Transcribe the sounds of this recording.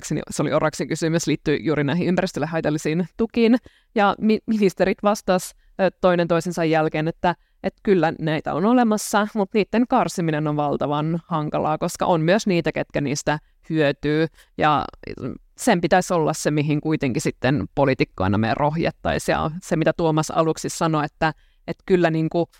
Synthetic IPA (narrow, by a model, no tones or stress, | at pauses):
ksinḭseolḭorɑksikysymysliːt̪ːyijuːɾinæihiympæɾist̪ølːehɑit̪ɑlːisiːnt̪ukin | jɑmiminist̪eɾit̪ʋɑst̪ɑs | t̪oinent̪oisensɑjːælkeːnet̪ːæ | ʔet̪kylːænæit̪æ̰o̰nolemɑsːɑmut̪niːt̪ːeŋkɑrsiminenoʋʋɑlt̪ɑʋɑnhɑŋkɑlɑ̰ːkoskɑ̰ʔonmyøsniːt̪æket̪kæniːst̪æ | hyøt̪yː | jɑ̰ | sempit̪æsʲolːɑssemiɦiŋkuit̪eŋkisit̪ːenpolit̪ikːo̰inɑ̰mḛrʔohjɑ̰t̪ːɑ̰isjɑ̰semit̪æt̪uomɑsɑ̰luksissɑnoet̪ːæ | et̪kylːæniːŋku